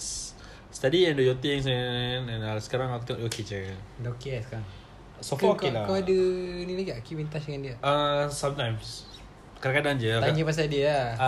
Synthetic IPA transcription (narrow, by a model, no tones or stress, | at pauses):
s | st̪adiɛ̃ndojot̪iŋs̬anɛ̃nasə̥kaɾaŋakut̪eŋɔʔd͡ʒokit͡ʃəkandaokesə̥kaɾaŋ | sɔkɔkilakaadənilaɡakipint̪asdəŋandiaasãmt̪ãjms | kadakadaŋd͡ʒəaɲəpas̬adia